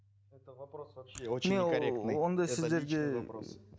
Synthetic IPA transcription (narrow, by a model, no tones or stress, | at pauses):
meond̪ojsɪzd̪e̞ɾɡʲe